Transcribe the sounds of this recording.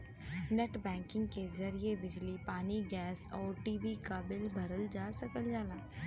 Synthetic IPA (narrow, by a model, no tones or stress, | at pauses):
neʈbɛ̃ːŋkɪ̃ŋɡkezɐɾiebɪd͡ʒlipaːniɡɛːsɔːɾʈiːbikabɪlbʱɐɾəld͡ʒaːsɐkəld͡ʒaːlaː